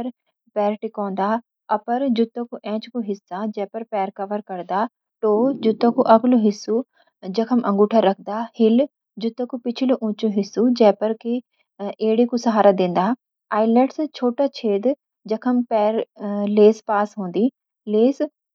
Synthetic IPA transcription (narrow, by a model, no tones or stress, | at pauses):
ɐɾ | pɛːɾʈikɔ̃ːn̆d̪a | ɐpɐɾd͡ʑʊt̪õkuʔɛ̃ːt͡ʃkuɦɪsad͡ʑɐ̃ɦpɐɾpɛːɾkɐʋəɾkɐɾd̪aː | ʈoːd͡ʑʊt̪õkuʔɐɡluɦɪsu | d͡ʑɐkʰəmʔɐ̃ŋɡuːʈʰaɾɐk̪ʰd̪aːhɪl | d͡ʑʊt̪õkupɪt͡ʃʰɪloʔũːt͡ʃoɦɪsud͡ʑɛ̃ɦɪ̃pɐɾki | eːɪɽikusɐɦaːɾad̪ẽːn̆d̪a | aːɪlɛːʈst͡ɕʰoːʈat͡ɕʰeːd̪ | d͡ʑɐkʰəmpɛːɾleːspaːsɦũːnd̪i | leːs